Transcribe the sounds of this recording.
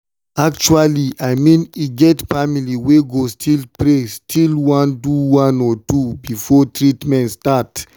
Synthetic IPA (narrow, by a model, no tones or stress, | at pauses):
ak̚t͡ʃualiʔajmĩniɡɛtfamiliweɡostʰilpɾestʰilwãnduwãnɔtubifɔtɹitmɛ̃ntstat